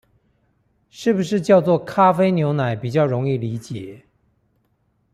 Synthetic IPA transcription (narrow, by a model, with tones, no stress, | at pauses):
ʂɻ̩˥˩bu˩ʂɻ̩˥˧t͡ɕjɑ˥˧ʊt͡swɔ˥˩kʰa˥fe˥ɪnjo˧˥ʊna˨˩˦ɪpi˨˩t͡ɕjɑ˥˩ʊɻʊ˧˥ŋi˥˩li˧˥t͡ɕjɛ˨˩˦